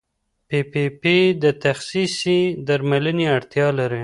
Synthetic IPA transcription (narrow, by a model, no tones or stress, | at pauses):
pepeped̪ət̪axsisid̪aɾmaləniaɽt̪jɑlaɾe